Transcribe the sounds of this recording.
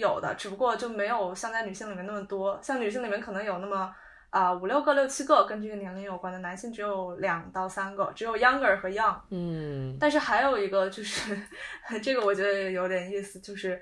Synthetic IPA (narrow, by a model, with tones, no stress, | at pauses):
jo˨˩ʊd̪ə̰˦ʈ͡ʂɻ̩˨˩pu˧kwɔ˥˧t͡ɕjo˥˩ʊme˧˥ɪjo˨˩ʊɕjɑ˥˧ŋt͡sa˥˩ɪny˨˩ɕi˥˩ŋli˨˩mjɛ˥˧na˥˩mə˩t̪wɔ˥ɕjɑ˥˩ŋny˨˩ɕ̬i˥ŋli˨˩mjɛ˥˩nkʰɤ˨˩nɤ˧˥ŋjo˨˩ʊna˥˩mə˩ | ə˧u˨˩ljo˥˧ʊɡɤ˥˧ljo˥˩ʊt͡ɕʰi˥ɡɤ˥˩kə˥nʈ͡ʂe˥˩ɡə˩njɛ˧˥nkə˧˥njo˨˩ʊkwa˥nd̪ə˨na˧˥nɕi˥˩ŋʈ͡ʂɻ̩˧˥jo˨˧˩ʊljɑ˨˩ŋt̪ɑ˥˩ʊsa˥nɡə̰˩ʈ͡ʂɻ̩˧˥jo˨˩ʊjɑ˥ŋə˞˨˩xɤ˧˥jɑ˥ŋ̩˩ | a˥˧nʂ̬ɻ̩˥˩xa˧˥ɪjo˨˩ʊi˧˥ɡə˧t͡ɕjo˥˧ʊʂɻ̩˥˩ʈ͡ʂɤ˥˩ɡə˩wɔ˨˩t͡ɕɥɛ˧˥d̪ə˧˨jo˧˥ʊt̪jɛ˨˩ni˥˩sɹ̩˨˩t͡ɕjo˥˧ʂɻ̩˥˩